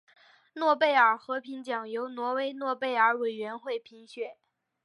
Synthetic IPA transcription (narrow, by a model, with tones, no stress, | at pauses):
nwɔ˥˧pe˥˩ɪə˞˨˩xɤ˧˥pʰi˧˥nt͡ɕjɑ˨˩ŋjo˧˥ʊnwɔ˧˥we˧˥ɪnwɔ˥˧pe˥˩ɪə˞˧˥we˨˩ɪɥɛ˧˥nxwe˥˩ɪpʰi˧˥ŋɕɥɛ˥˩